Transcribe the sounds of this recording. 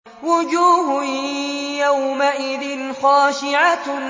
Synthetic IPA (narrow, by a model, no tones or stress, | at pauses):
wʊd͡ʒuːh | jawmaʔɪðɪnxɑːʃɪʕa